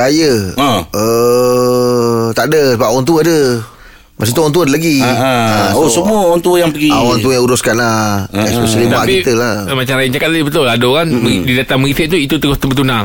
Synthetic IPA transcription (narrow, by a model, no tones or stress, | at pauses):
kajə | ə | t̪aʔdəsəbap̚awaŋt̪uadə | mas̬it̪uawaŋnt̪̬uəadəlaɡiaaosəmuəwaŋt̪uəjaŋpəɡiawant̪ujauɾʊskanlaɛspesəlib̪aakiit̪əlamat͡ʃamlaɪnt͡ʃakat̪̚laɡibət̪ʊladokanmdidat̪aməɣisɛt̪̚t̪uit̪ut̪əɡʊht̪ubət̪unaŋ